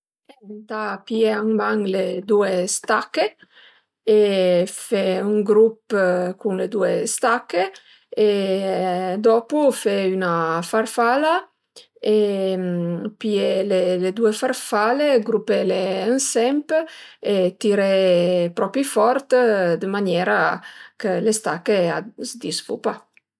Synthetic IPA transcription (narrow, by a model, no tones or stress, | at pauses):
ent̪apieaŋbaŋled̪uest̪akːe | efeuŋɡɾupkuŋled̪uest̪akːeː | d̪ɔpufɛynafarfala | e | pieleled̪uefarfaleɡɾupeleənsɛmpet̪iɾɛpɾɔpifɔɾt̪d̪əmanjɛːɾakəlest̪akːea̰zd̪isfṵpa